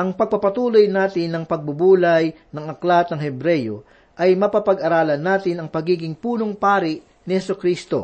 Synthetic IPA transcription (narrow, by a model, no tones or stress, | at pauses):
ʔɐŋpɐɡ̚pɐpɐt̪uːlojnaːt̪ɪnːɐŋpɐɡ̚bʊbuːlɐj | nɐŋɐklat̪nɐŋhɛbɾɛjo̰ | ʔɐjmɐpapɐɡʔɐɾaːlɐnːaːt̪ɪnɐŋpɐɡiːɡɪŋpuːnoŋpaːɾɪʔ | nɪhɛsʊkɾiːst̪o̞̰